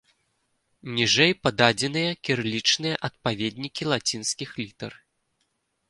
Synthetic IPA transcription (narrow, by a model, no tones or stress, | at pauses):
nʲiʐɛjpɐd̪ad͡zʲɛn̪ɨjɐkʲirlʲit͡ʂnɨjɐʔɐt̪̚pavʲed̪ʲnʲikʲilˠat͡sʲinskʲixlʲit̪ɐr